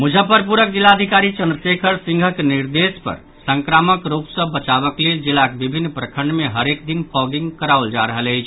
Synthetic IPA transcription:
mud͡ʒʱəpəɾpuɾəkd͡ʒilːaəd̪ʱikaɾit͡ʃənd̪ɾəsekʰəɾsĩŋɡʱəkniɾd̪espə̰ɾ | səŋkɾaməkɾupsə̃bət͡ʃaβəkleld͡ʒilːakebibʱinːpɾəkʰəɳɖmeɦəɾek̚d̪inpɔɡiŋɡkəɾauld͡ʒa̰ɾəɦələjt͡ʃʰ

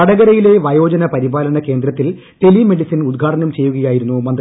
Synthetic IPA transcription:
ɐɽɐɣɐɾɐjile̞ʋɐjo̞ːd͡ʑɐnɐpɐɾibaːlɐnɐke̞ːnd̪ɾɐt̪ːil | t̪e̞lime̞ɽisɐnud̪ɡʱaːʈɐnɐmt͡ɕe̞jːuɣɐjaːjiɾunːumɐnd̪

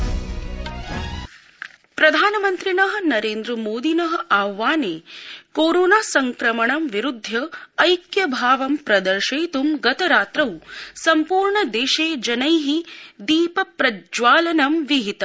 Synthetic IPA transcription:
pɾɐd̪ʱaːnɐmɐnt̪ɾinɐɦɐ̆nɐɾeːnd̪ɾɐmoːd̪inɐɦɐ̆ʔaːʋaːneːkoːɾoːnaːsɐŋkɾɐmɐɳɐmʋiɾud̪ʱːɐːjkjɐbʱaːʋɐmpɾɐd̪ɐɾʃɐjt̪umɡɐt̪ɐɾaːt̪ɾɐwsɐmpuːɾɳɐd̪eːʃeːd͡ʒɐnɐjɦid̪iːpɐpɾɐd͡ʒʋaːlɐnɐmʋiɦit̪ɐ

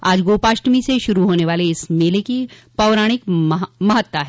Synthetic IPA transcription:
aːd͡ʒɡoːpaːʃʈmiseʃʊɾuɦoːneʋaːleɪsmeːlekipɐʋɾaːɽ̃ɪkmɐɦət̪ːaɦɛ

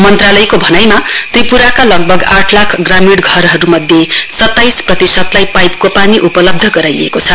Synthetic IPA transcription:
mʌnt̪ralʌjkobʱʌnajmat̪ripuɾakalʌɡ̚bʱʌɡaʈʰlakʰɡramiɽɡʱʌɾɦʌɾumʌd̪ʱjesʌt̪ːajsprʌt̪isʌt̪lajpajp̚kopaniʔupʌlʌb̚d̪ʱʌɡʌɾajḛkot͡sʰʌ

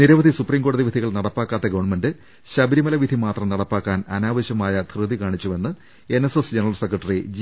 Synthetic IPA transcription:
niɾɐʋɐd̪ʱisupriːmɡo̞ːɽɐðiʋid̪ʱiɣɐɭnɐɽɐpːaːkːaːt̪ːeɡɐʋɐɳme̞ndɨ | ɕɐbɐɾimɐlɐʋid̪ʱimaːt̪rɐmnɐɽɐpːaːkːaːnɐnaːʋɐɕjɐmaːjɐt̪rɨd̪ikaːɳit͡ɕːume̞nːɨ | e̞nesesd͡ʑenɐrɐlsekːrɐʈːɐrid͡ʑ

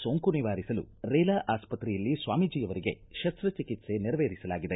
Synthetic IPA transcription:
soːŋkuniʋaːɾisɐlṵɾɛːlaːʔaːspɐt̪ɾɛjɐlːisʋaːmid͡ʒiːjɐʋɐɾiɡe̞ | ʃɐst̪ɾɐt͡ʃikit̪se̞niɾɐʋeːɾisɐlaːɡid̪e

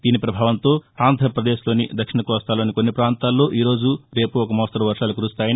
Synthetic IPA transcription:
d̪̥iːnipɾɐbʱaːʋɐnt̪o̞ːaːnd̪ʱɐɾɐpɾɐd̪eːʃlo̞ːnid̪ɐkʂiɳɐkɔːst̪aːloːnikonːipɾaːnt̪aːlːo̞ːʔiːɾo̞ːd͡ʒuɾe̞ːpuɔkɐmɔːst̪ɐɾɐʋɐɾʂaːlukuɾust̪aːjini

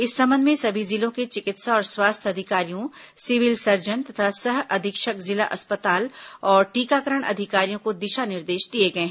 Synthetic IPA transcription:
ɪsːɐ̃mbə̃nd̪mẽsɐbʱizɪlõket͡ʃɪkɪt̪saɔːɾswaːst̪ʰɐd̪ʱɪkaːɾijõsɪʋɪlsɐɾd͡ʒənt̪ɐt̪ʰasɐɦɐd̪ʱɪkʃəkzɪla̰ʔɐspət̪aːlɔːɾʈiːkakəɾəɽ̃ʔɐ̰d̪ʱɪkaːɾijõkod̪ɪʃanɪɾd̪eːʃd̪ieɡɐẽɦ

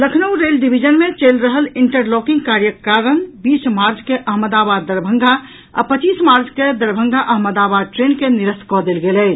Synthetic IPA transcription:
ləkʰnəwɾelɖibʱid͡ʒənmet͡ʃəlɾəɦəliɳʈəɾlɔkĩŋɡkaɾjəkaɾənbismaɾd͡ʒkeʔəɦməd̪abad̪ːəɾbʱə̃ŋɡʱa | a̰pət͡ʃiːsmaɾd͡ʒked̪əɾbʱə̃ŋɡʱaʔəɦməd̪abad̪̚ʈɾenkeniɾəskɔd̪elɡelɛ

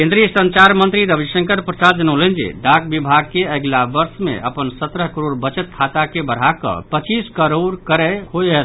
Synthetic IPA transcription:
kẽnd̪ɾijəsənt͡ʃaɾmənt̪ɾiɾəbisə̃ŋkəɾpɾəsad͡ʒənəlend͡ʒḭɖakbibʱaɡ̚keəɡlabəɾsmḛʔə̰pənsət̪ɾəɦkəɾoɾbət͡ʃət̪̚kʰat̪akebəɽ̤akə̰̃pət͡ʃiskəɾoɾkəɾɛɦojɦet̪

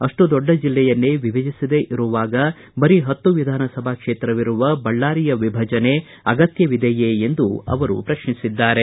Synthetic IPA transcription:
ɐʂʈud̪ɔɖːɐd͡ʒilːɛjɐnːeʋibʱɐd͡ʒisid̪eʔiɾuʋaːɡɐ | bɐɾiɦɐt̪ːuʋid̪ʱaːnɐsɐbʱaːkʂeːt̪ɾɐʋiɾuʋɐbɐɭːaːɾijɐʋibʱɐd͡ʒɐne̞ | ɐɡɐt̪jɐʋid̪ʱɐjeend̪uɐ̰ʋɐɾṵpɾɐʃɳisid̪ːaːɾe̞

